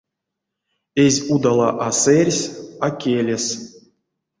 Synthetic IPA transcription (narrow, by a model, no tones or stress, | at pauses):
ezʲud̪alˠaʔaserʲsʲakʲelʲes